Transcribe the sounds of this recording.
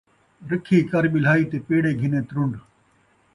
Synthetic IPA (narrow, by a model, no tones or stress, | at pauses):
ɾɪkʰiːkɐɾɓɪl̤aːiːt̪eːpeːɽeːɡʱɪnẽːt̪ɾʊɳɖ